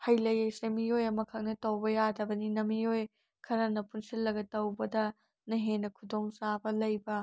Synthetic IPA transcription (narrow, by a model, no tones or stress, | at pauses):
hɐjlɐjɐjsɐmijojɐmɐkʰɐk̚nɐtɐwbɐjadɐbɐninɐmijoj | kʰɐɾɐnɐpunsilːɐɡɐtɐwbɐdɐ | nɐɦenːɐkʰudoŋsabɐlɐjbɐ